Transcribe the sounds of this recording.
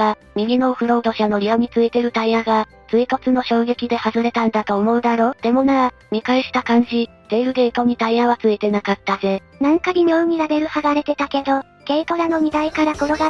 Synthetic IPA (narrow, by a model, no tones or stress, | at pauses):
ɡa | mʲiɡʲino̞ɸɯ̟ɾo̞ːd̪o̞ɕano̞ɾʲioɲ̟it͡sɨit̪e̞ɾɯ̟t̪aiaɡa | t͡sɨik̪o̞t͡sɨno̞ɕo̞ːɡe̞kʲid̪e̞hazɨɾe̞t̪ãnd̪at̪o̞ːmo̞ɯ̟d̪aɾo̞ːd̪̥e̞mo̞na | ɲ̟ikaiɕi̥t̪akãɲ̟d͡ʑi | d̪̥e̞ːɾɯ̟d̪e̞t̪o̞ɲ̟it̪aiaβat͡sɨit̪e̞nakat̪ːaze̞ | nãŋkaɲ̟ʲiɲʲoːɲ̟iɾabe̞ɾɯ̟haɡaɾe̞t̪e̞t̪ake̞d̪o̞ | ke̞ik̪o̞ɾano̞m̟ʲid̪aikaɾako̞ɾo̞ɡa